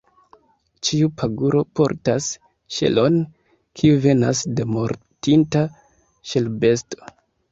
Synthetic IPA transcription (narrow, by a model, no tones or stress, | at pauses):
t͡ʃiupʰaɡuɾo̞po̞̰ɾtas | ʃe̞̰lo̞n | kʰiuve̞na̰sde̞mo̞ɾtinta | ʃe̞lbe̞sto̥